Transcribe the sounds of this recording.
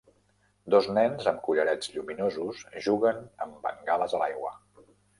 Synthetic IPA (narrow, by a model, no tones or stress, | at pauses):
d̪oznɛnzəmkuʎəɾɛd͡zʎuminozusʒuɣənəmbə̰ŋɡaləzəlajɣwə̰